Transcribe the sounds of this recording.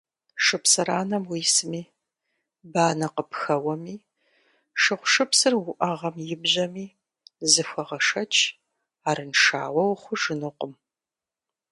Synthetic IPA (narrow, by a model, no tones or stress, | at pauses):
ʂɨpsɨɾaːnɐmwiːsɨmiː | baːnɐqəpxɐwɐmiː | ʂɨχʷʊʂɨpsɨrwʷʊʔɐʁɐmjɪbʑɐmiː | zɨxʷɐʁɐʂɐt͡ʃʰ | aːɾɨnʂa̰ːwɐwχʷʊʒɨnɨqʷʊm